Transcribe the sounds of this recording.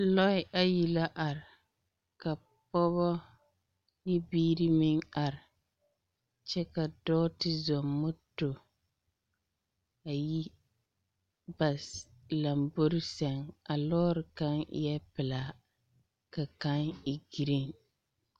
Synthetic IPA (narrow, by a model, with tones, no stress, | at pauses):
lɔ˦ɪ˨ʔa˦ji˨la˦ʔa˨ɾɪ˨ | ka˨ | pɔ˦βɔ˦ | nɪ˦biː˦ɾi˦mɪ˦ŋa˨ɾɪ˨ | t͡ʃɛ˦ka˨dɔː˦tɪ˦zɔ˨mːʊ˦to˨ | a˨ji˦ | ba˨s | la˨mbo˦ɾɪ˦sɛ˨ŋa˨lɔː˦ɾɪ˨ka˦ŋ˦jɛ˦pɪ˨laː˨ | ka˨ka˦ŋɪ˨ɡi˨ɾi˦˨ŋ